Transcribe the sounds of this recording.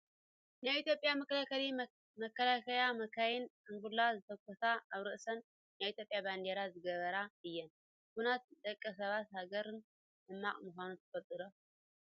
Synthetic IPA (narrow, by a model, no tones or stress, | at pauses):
najit̪jo̞pʼjamɐkʰɐlakʰɐli | mɐkːɐlakʰɐjamɐkʰajɪnʔɨŋɡulazɨt̪ʰɐkʷʰːɐt̪aaβɾɨʔɨsɐnː | ajit̪ʰʲjopʼjaband̪eɾazɨɡɐβɐɾaɨjːɛn | kunat̪̚d̪ʼɐkʼːɐsɐβat̪haɡɐɾɨn | d̪ɨmːaχʼmuxʷanut̪ʰɨ̥fɐt̪ʼɨɾo